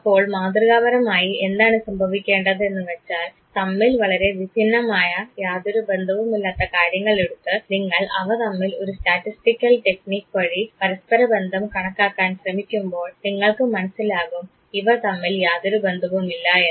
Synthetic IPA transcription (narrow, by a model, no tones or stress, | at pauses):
ɐpːo̞ːɭmaːd̪rɨɣaːbɐɾɐmaːjie̞nd̪aːɳɨsɐmbʱɐʋikʲːe̞ːɳɖɐðɨe̞nːɨʋet͡ɕːaːl | t̪ɐmːilʋɐɭɐɾe̞ʋibʱinːɐmaːjɐjaːd̪oɾube̞nd̪ʱɐʋumilːaːt̪ːɐkaːɾjɐŋːɐɭeɽut̪ːɨniŋːɐɭɐ̰ʋɐt̪ɐmːilo̞ɾustaːtːisʈikʲːɐlʈe̞kniːkːʋɐɻipɐɾɐspɐɾɐbe̞nd̪ʱɐmkɐɳɐkːaːkːaːnɕrɐmikʲːumbo̞ːɭniŋːɐɭkɨmɐnɐsːilaːɣum | iʋɐt̪ɐmːiljaːd̪oɾube̞nd̪ʱɐʋumilːaːjɐ